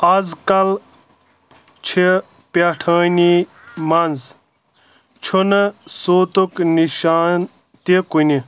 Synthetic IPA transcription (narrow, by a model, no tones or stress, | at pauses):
azkɐl | t͡ʃʰie | paʈʰɐːni | mɐnz | t͡ʃʰunsoːt̪ukniʃaːn | t̪ikuni